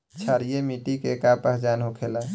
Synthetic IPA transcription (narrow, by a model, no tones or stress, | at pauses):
t͡ʃʰaɾijemiʈikekapəɦd͡ʒanɦokʰela